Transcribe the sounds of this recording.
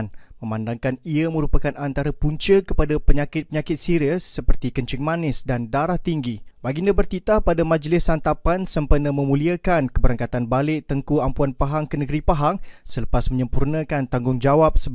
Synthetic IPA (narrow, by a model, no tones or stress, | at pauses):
nmə̃mandaŋkaniəmə̃ɾupakanant̪aɾəpuɲt͡ʃəkəpadapəɲakɪt̪̚pəɲakɪt̪̚siɾiəsːəpərt̪ikəɲt͡ʃɪŋmanɪsdandaɾaht̪iŋɡibaɡindəbərt̪it̪ahpadamãd͡ʒəlɪsant̪apansəmpənəmə̃mũliakankəbəɾaŋkat̪anbalɪʔt̪əŋkuampuanpaɦaŋkənəɡəɾipaɦaŋsələpasməɲə̃mpurnə̃kant̪aŋɡʊŋd͡ʒawap̚sə